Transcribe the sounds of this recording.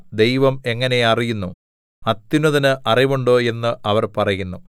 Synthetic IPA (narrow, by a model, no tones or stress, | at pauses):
d̪e̞jʋɐme̞ŋːɐne̞ɐrijunːu | ɐt̪ːinuðɐnɨʔɐriʋuɳɖo̞ːe̞nːɨʔɐʋɐrpɐrɐjunːu